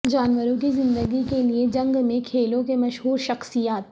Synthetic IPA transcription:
d͡ʒaːnʋəɾõkizɪ̃nd̪əɡikelied͡ʒɐ̃ŋɡmẽkʰeːlõkemɐʃɦuːɾʃɐxsijaːt̪̚

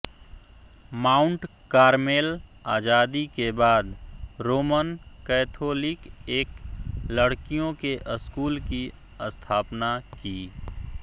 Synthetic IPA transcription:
maːʊɳʈ | kaːɾmeːlaːd͡ʒaːd̪ikebaːd̪ɾoːmənkɛːt̪ʰoːlɪkeːkləɽkijõkeʔəskuːlki | əst̪ʰaːpnakiː

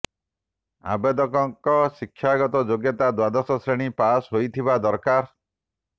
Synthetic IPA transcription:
a̰bed̪ɔkɔŋkɔsikʰːjaɡɔt̪ɔd͡ʒoɡjɔt̪ad̪wad̪ɔsɔsɾeɽ̃ipasɦojt̪ʰibad̪ɔɾkaɾ

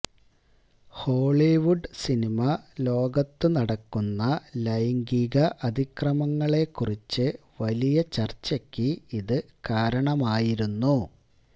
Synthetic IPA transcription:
ho̞ːɭiʋuɖsinimɐlo̞ːɡɐt̪ːɨnɐɽɐkːunːɐlɐjŋɡiɣɐʔɐd̪ʱikrɐmɐŋːɐɭe̞kːurit͡ɕːɨ | ʋɐlijɐt͡ɕɐrt͡ɕːɐkʲːɨiðɨ | kaːɾɐɳɐmaːjiɾunːu

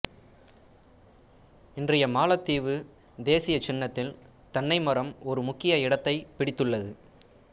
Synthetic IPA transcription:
ɪndrɐjɐmaːlɐt̪ːiːʋɯ | d̪eːsɪjɐt͡ʃːɪnːɐt̪ːɪl | t̪ɐɳːɐɪmɐɾɐmɔɾɯmʊkːɪjɐɪɽɐt̪ːɐɪpɪɽɪt̪ːɯɭːɐðɯ

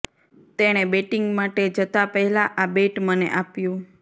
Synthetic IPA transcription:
t̪eɽ̃ebeʈiŋɡmaʈed͡ʒət̪apəɦɛlaʔabeʈmənḛʔapjũ

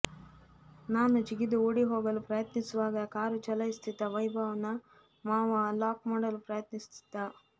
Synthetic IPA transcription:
naːnut͡ʃiɡid̪uoːɽiɦoːɡɐlupɾɐjɐt̪nisuʋaːɡɐkaːɾut͡ʃɐlɐjist̪ʰit̪ːɐʋɐjbʱaːʋɐnɐ | maːʋɐlaːkmoːɽɐlupɾɐjɐt̪nist̪ʰi̥d̪ːa

